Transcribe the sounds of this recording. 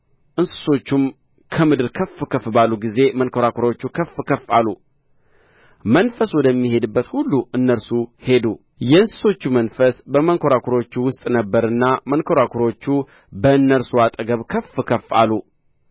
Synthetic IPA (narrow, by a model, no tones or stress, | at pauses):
ʔɨnsɨ̥so̞t͡ʃːum | kʰəmɨd̪ɨɾkʰəfɨkʰəfɨbalːuɡize̞mənkʰo̞ɾakʰuɾo̞t͡ʃːukʰəfkʰəfa̰lːu | mənfəswɔd̪əmːihe̞d̪ɨbːət̪hulːuʔɨnːəɾsuhe̞d̪u | jɛɨnsɨ̥so̞t͡ʃːumənfəsbəməŋkʰo̞ɾakʰuɾo̞t͡ʃːuwʊst̪ʼnəbːəɾɨnːamənkʰo̞ɾakʰuɾo̞t͡ʃːu | bəɨnːəɾsuat̪ʼəɡəβkʰəfɨkʰəfa̰lːu